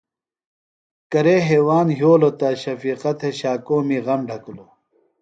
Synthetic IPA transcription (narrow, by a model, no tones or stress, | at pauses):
kɐɾeːɦeːwaːnɦjoːlot̪aːɕɐfiːqɐt̪ʰeɕaːkoːmiːɣɐmɖʱɐkulo